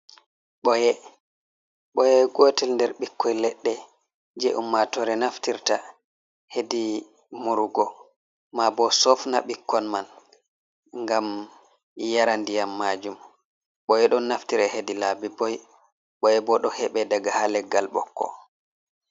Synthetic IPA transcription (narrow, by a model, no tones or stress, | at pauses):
ɓɔjɛ | ɓɔjɛɡotɛlndɛɾɓikːɔjlɛɗːɛ | d͡ʒeʔumːatɔɾɛnaftiɾta | hedi | muɾɡɔ | mabɔsɔfna̰ɓikʰːɔnman | ŋɡam | jaɾandijamːad͡ʒum | ɓɔjɛɗɔnnːaftiɾɛhedilabibɔj | ɓɔjɛbɔɗɔhɛɓɛdaɡahalɛɡːalɓɔ̰kʰːɔ̰